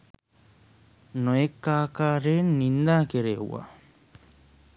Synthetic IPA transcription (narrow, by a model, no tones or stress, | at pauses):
nojekːaːkaːɾeːnːind̪aːkeɾeṵwa̰